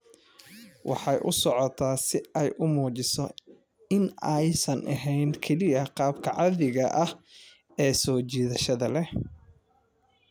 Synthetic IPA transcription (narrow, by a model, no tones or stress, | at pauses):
wʔɑ̰ħɑjʔʊsɔʕɔt̪ʰaːsɪɛjʔʊmuːt͡ʃɪsɔ | ɪnɛjsɐnʔɐ̰ɦɛjnkʰɛlɪɐqɑːbkʰɐʕɑðɪɣɐʔɐh | ɛːsɔːt͡ʃiːðɐʃɐðɐlɛ